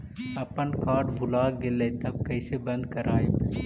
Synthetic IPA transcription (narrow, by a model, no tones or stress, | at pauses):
ɐpənkaːɾɖbʱʊlaːɡelet̪ɐb̚kɐɪsebɐ̃nd̪kɐɾaːe